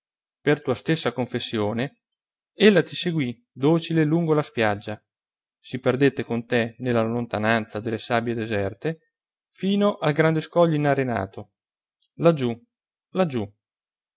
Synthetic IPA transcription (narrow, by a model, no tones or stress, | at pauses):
pert̪uːast̪esːakoɱfesːjoːne | elːat̪iseɡwi | d̪oːt͡ʃileluŋɡolaspjad͡ʒːa | siperd̪et̪ːekont̪enelːalont̪anant̪sad̪elːesabjed̪ezɛrt̪e | fiːnoʔalɡɾand̪eskɔʎːoinaɾena̰ːt̪o | lad͡ʒu | lad͡ʒːu